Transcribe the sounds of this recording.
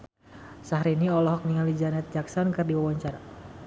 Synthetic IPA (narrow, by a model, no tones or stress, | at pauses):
saɦɾiniɔlɔɦɔk̚niŋalid͡ʒanɛt̪̚d͡ʒaksankɨrdiwawaɲt͡ʃaɾa